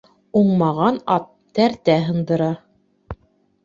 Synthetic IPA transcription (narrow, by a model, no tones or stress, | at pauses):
uɴmɑʁɑnɑt̪ː | æɾt̪æɦɤ̆nd̪ɤ̆ɾɑ